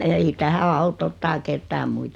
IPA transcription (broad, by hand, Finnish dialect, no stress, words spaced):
ei tæhæ ɑut otːɑː ketːæː muit